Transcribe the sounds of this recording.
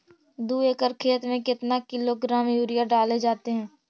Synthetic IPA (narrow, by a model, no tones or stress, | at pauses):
d̪uːekəɾkʰeːət̪mẽkɪt̪nakɪloɡɾaːmjuːɾijaɖaːled͡ʒaːt̪eɦɛ̃ː